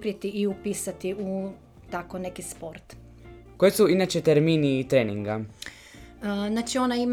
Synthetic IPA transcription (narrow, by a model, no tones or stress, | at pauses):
pɾiet̪iʔiupiːsat̪iu | t̪akonekispoɾt̪ | kojesuinat͡ʃet̪eɾminiːt̪ɾeːniŋɡa | znat͡ʃio̞naim